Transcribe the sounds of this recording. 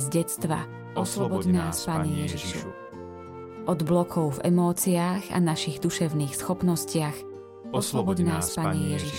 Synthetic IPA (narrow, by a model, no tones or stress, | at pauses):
zɟɛt͡st̪ʋa̰ | ɔslɔbɔɟnaːspaːɲɛjɛʒiʃṵ | ʔɔd̪blɔkʰɔʊvɛ̰mɔːt͡siaːɣa̰naʃiɣd̪uʃɛʊniːxsxɔpnɔscɪax | ɔslɔbɔɟnaːspaːɲɛjɛʒiʃ